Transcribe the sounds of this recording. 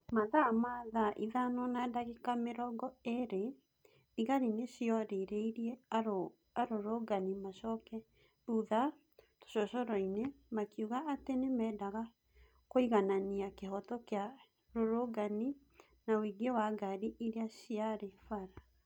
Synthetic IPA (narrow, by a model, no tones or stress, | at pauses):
maðamaðaʔiðanɔnadaɣekameɾɔɡɔeɾe | iɣaɾineɕiɔɾeɾeiɾiɛ | aɾoɾoɡanimaʃɔkɛ | ɾuða | to̥ɕɔɕɔɾɔinemakjuɣaʔatenemɛːdaɣa | koiɣananiakeɦɔtɔkea | ɾoɾoɡani | nawiɡewaɡaɾiʔiɾeaɕiaɾefaɾa